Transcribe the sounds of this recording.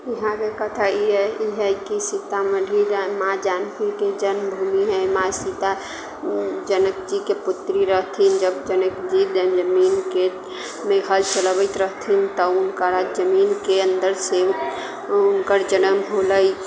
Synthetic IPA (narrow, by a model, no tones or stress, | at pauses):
iɦãkekət̪ʰəiɛiɦɛjkisit̪aməɖ̪ʱiɾamãd͡ʒankiked͡ʒənmbʱumiɦɛmasit̪a | d͡ʒənək̚d͡ʒikeput̪ɾiɾəɦt̪ʰind͡ʒəbd͡ʒənəkd͡ʒid̪d͡ʒəminke | meɡʱəlt͡ʃəlbəɪt̪ɾəɦt̪ʰint̪əunkəɾad͡ʒəminkeənd̪əɾse | unkəɾd͡ʒənəmɦoləj